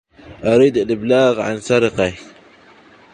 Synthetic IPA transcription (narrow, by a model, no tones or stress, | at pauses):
ʔaɾiːd̪alɪblaːɣʕa̰nsɑɾɪqa